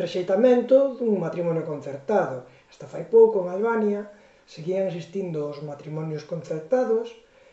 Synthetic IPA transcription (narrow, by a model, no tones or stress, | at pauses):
reʃejt̪amẽnt̪ʊðuŋmat̪ɾimɔnjokon̟θeɾt̪aðʊ | ɛ̥st̪afajpowkoeŋalβanja | seɣiaŋesist̪ind̪ʊːzmat̪ɾimɔnjʊskon̟θeɾt̪aðʊs